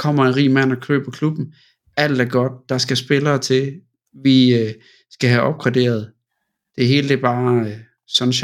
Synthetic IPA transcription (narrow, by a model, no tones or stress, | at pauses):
kʰɒ̽m̰ɐenʁḭːmæn̰ɒkʰø̰ːb̥ɒkʰlub̥n̩ | æl̰d̥æɐɡ̥ɒ̽d̥̚d̥ɑ̈sɡ̥æsb̥e̝lɐːt͡sʰe̝ | ʋiø | sɡ̥æɦæʔɒ̽b̥̚ɡ̥ʁɑd̥e̝̰ːɐð̞ˠ | d̥e̝ɦe̝ːləd̥eb̥ɑ̈ː | sɒ̽n̩ɕ